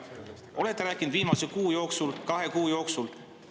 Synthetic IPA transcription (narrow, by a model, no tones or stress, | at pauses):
ʔo̞le̞t̪ˑːeɾæːkːˑind̪viːmɑsekuːjo̞ːksulkɑɦe̞kuːjo̞ːksul